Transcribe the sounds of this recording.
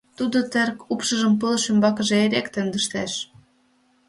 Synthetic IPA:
t̪ud̪ot̪erkupʃə̆ʒə̆mpɤlʃymbɑkə̆ʒeeɾekt̪ønd̪əʃt̪eʃ

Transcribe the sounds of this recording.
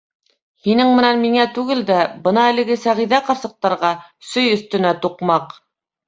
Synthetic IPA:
hinɘŋmɘ̆nænmiŋæt̪ʉɡɘld̪æbɤnɑɘ̆lɘ̆ɡɘsæʁiðæqɑɾsɤ̆q̚t̪ɑɾʁɑsɵjɵ̆θt̪ɘ̆næt̪uqmɑq

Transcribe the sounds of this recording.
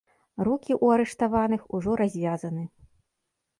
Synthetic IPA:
rukʲiʔuaɾɛʂt̪avanɨxuʐɔɾazʲvʲazɐnɨ

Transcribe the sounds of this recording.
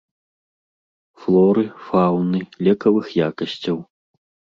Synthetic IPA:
flˠɔɾɨfawnɨlʲɛkɐvɨxjakɐsʲt͡sʲɐw

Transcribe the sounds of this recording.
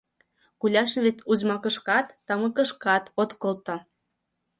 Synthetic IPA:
kulʲɑʃnβet̪uzmɑkə̆ʃkɑt̪ːɑmə̆kə̆ʃkɑt̪ot̪kəlt̪o

